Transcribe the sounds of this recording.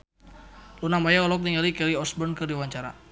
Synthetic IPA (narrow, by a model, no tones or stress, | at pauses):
lunamajaɔlɔk̚t̪iŋalikɛliɔsbərnkɨrdiwaɲt͡ʃaɾa̰